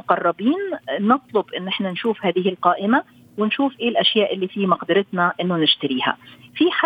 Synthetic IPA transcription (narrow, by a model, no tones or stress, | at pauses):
ʊqɑrˤːɑbiːnːɨt̪ˤlʊbʔɪnːʔɪħnanʃuːfhaːðɪhɪlqɑːʔɪma | wɪnʃuːfʔeːlʔaʃjaːʔɪlːiːfimɑqd̪ɪɾɪt̪naʔɪnːʊnɪʃt̪aɾiːha̰fiħa